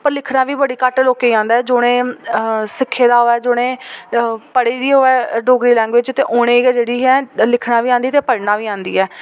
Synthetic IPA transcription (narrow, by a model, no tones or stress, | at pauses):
pəɾlɪkʰnaːʋiːbəɽiːkaʈloːkeːãːnd̪aːɛːd͡ʒoːɽ̃ẽː | sɪkʰːeːd̪aːɦoːɛːd͡ʒoːɽ̃ẽː | pəɽeːd̪iːoːɛːɖoːɡɾiːlɛ̃ːŋɡʋɪt͡ʃt̪eːʔoːɽ̃ẽːɡɛːd͡ʒeːɽiːɦɛːlɪkʰnãːʋiːãːnd̪iːt̪eːpəɽnaːʋiːãːnd̪ḭːɛː